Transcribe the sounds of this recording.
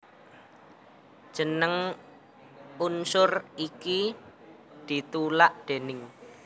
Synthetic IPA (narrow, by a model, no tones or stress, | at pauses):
ʒ̥ənəŋ | unsʊriki | d̪̥i̤t̪ulaʔd̪̥enɪŋ